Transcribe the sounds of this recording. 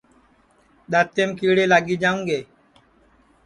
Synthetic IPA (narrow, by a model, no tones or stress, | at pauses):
ɗ̪at̪ːemkiːɽeːlaːɡiːd͡ʒãːũŋɡeː